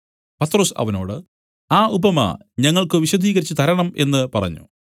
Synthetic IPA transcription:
pɐt̪ːro̞ːsɐ̰ʋɐnoːɽɨ | aːubɐmɐ̰ | ɲɐŋːɐɭkɨʋiɕɐd̪ʱiːɣɐɾit͡ɕːɨt̪ɐɾɐɳɐme̞nːɨpɐrɐ̰ɲːṵ

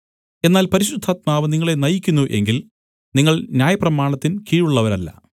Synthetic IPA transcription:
e̞nːaːlpɐɾiɕud̪ʱːaːt̪̚maːʋɨniŋːɐɭe̞nɐjikʲːunːuʔe̞̰ŋɡil | niŋːɐɭnjaːjɐprɐmaːɳɐt̪ːinkiːɻuɭːɐʋɐɾɐlːɐ̰

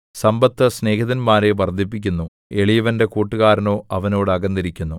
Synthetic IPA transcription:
sɐmbɐt̪ːɐsne̞ːkɐðɐnmaːɾe̞ʋɐrd̪ʱip̬ːik̬ʲːunːu | e̞ɭijɐʋɐnde̞kuːʈːuɣaːɾɐno̞ːʔɐʋɐno̞ːɽɨɐɡɐnd̪iɾikʲːunːu

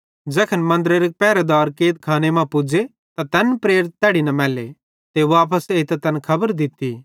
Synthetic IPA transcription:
d͡ʒɛːkʰənmɐ̃nd̪ɾeɾepɛːɾed̪ɔːɾkeːt̪̚kʰaːnemãpʊd͡ʒe | t̪at̪ɛːnpɾeːɾɪt̪ːɛːɽinɐmɛːlḛ | t̪eːʋaːp̬əseːt̪t̪ɛnkʰɐbəɾd̪ɪt̪ːi

